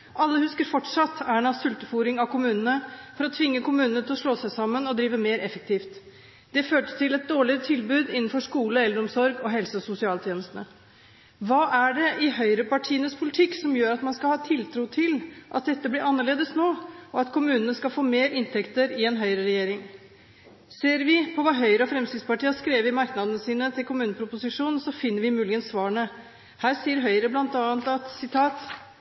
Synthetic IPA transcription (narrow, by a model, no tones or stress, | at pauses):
ʔɑlːəhʉskəɾfɔʈʂɑt̪ːæɳɑsʉlt̪əfuːɾɪŋɑʋkʊmʉːnənəfɔɾɔt̪ʰʋɪŋːəkʊmʉːnənət̪ʰɪlɔʂɭoːsæɪsɑmːənɔd̪ɾiːʋəmeːɾʔɛfək̚t̪ʰiːft̪ | d̪̥ɛføːʈə̥st̪ʰɪlɛt̪̚d̪oːɭɪɾət̪ʰɪlbʉːd̪ɪnn̩fɔʂkuːləɛlːəɾɔmsɔɾɡɔɦɛlsəɔsʊsɪɑːlt̪ʰjeːnəst̪ənə | ʋɑːʔæɖɛʔɪhœʏɾəpɑʈʰiːənəspʰʊlɪt̪ʰɪkːsɔmjøːɾɑt̪mɑnskɑlhɑːt̪ʰɪlt̪ʰɾuːt̪ʰɪlʔɑ̰t̪̚d̪ɛt̪ːəblɪɾɑnːəɭeːd̪əsnoːɔɑt̪kʰʊmʉːnənəskɑlfoːmeːɾɪnt̪ʰɛkt̪əɾɪɛnɦœʏɾəɾɛjeːɾɪŋ | seːɾʋɪpʰɔʋɑːɦœʏɾəɔfɾɛmskɾɪt̪spɑʈiːɑskɾeːʋɪmɑɾknɑd̪ənəsiːnət̪ʰɪlkʰʊmʉːnəpʰɾʊpʊsɪʂuːnn̩sɔfɪnːəɾʋɪmʉːlɪɡənsʋɑːəɳə | hæːɾsiːəɾɦœʏəɾəblɑnt̪ɑːnt̪ɑt̪sɪt̪ʰɑːt̪